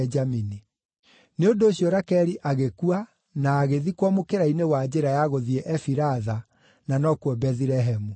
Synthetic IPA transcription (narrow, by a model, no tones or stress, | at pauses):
d͡ʒamini | neondoːɕjɔɾakɛɾiʔaɣekua | naːɣeðikwamokeɾainewad͡ʑeɾajaɣoðiɛʔɛfiɾaða | nanɔkwɔbɛðiɾɛɦɛmu